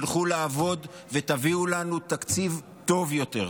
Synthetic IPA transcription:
lχulaːvo̞d̪ | vet̪aviulanut̪akt͡siv | t̪o̞vjo̞t̪e̞̰ʁ

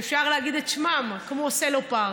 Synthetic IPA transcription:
fʃaʁleaɡid̪etʃmamkmoselopa

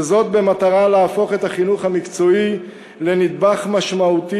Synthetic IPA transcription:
zo̞t̪̚be̞mat̪aʁaleafo̞χe̞t̪aχinuχhamikt͡so̞i | le̞nid̪̚baχmaʃmaut̪i

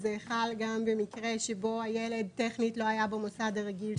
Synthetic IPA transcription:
zeːχalɡambemikʁe̞ʃebo̞ajele̞d̪̚teχnitlo̞ajabemosadaʁeɡil

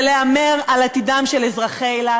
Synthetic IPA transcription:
leameʁalat̪id̪amʃelezʁaχela

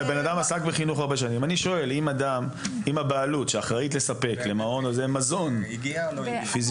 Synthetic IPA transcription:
be̞nadamasakbeχinuχaʁbeʃanimaniʃo̞e̞limadamimabaalutʃeaχʁaitle̞sape̞kle̞mao̞nozemazo̞n | fiz

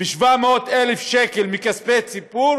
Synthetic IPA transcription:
biʃvameot̪elefʃekelmikaspet͡sipuɾ

